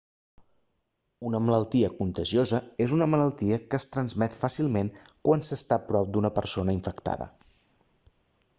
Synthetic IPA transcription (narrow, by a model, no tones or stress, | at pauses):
unəmələlˠt̪iəkunt̪əʒiozəezunəmələlˠt̪iəkəst̪ɾənzmɛt̪fasilˠmenkwansəst̪apɾɔp̚d̪unəpəɾsonəiɱfəkt̪a̰ðə̰